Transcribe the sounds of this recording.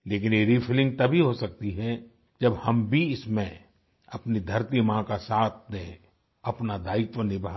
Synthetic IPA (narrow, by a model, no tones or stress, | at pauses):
leːk̬ɪneːɾipʰɪlɪ̃ŋɡ̚t̪ɐbʱiɦosɐk̚t̪iɦɛ | d͡ʒɐbhɐmbʱiɪsmẽ | ɐpnid̪ʱɐɾt̪imãkasaːt̪ʰd̪ẽ | ɐpnad̪aːɪt̪ʋənɪbʱaː